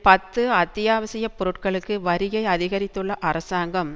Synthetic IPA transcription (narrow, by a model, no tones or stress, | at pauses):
pɐt̪ːɯɐt̪ːɪjaːʋɐsɪjɐpɔɾɯʈkɐɭɯkːɯʋɐɾɪjɐɪɐðɪɣɐɾɪt̪ːɯɭːɐʔɐɾɐsaːŋɡɐm